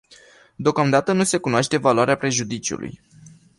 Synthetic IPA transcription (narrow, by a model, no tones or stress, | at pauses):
d̪eokamd̪at̪ənuse̞kunoaʃt̪e̞valoaɾeapɾe̞ʒud̪it͡ʃiṵlʔṵj